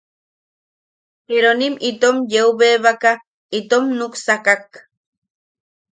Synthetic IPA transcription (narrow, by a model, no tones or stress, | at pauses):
peɾonimit̪omjeuβeβaka | it̪omnuksakak